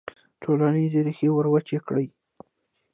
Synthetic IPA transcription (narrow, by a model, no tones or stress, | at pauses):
ʈʰolanizeɾixewəɾwat͡ʃekɽəj